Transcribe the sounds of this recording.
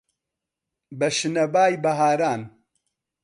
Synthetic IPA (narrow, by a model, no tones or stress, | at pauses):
bɐʃɨnɐbaːjbɐɦaːɾaːn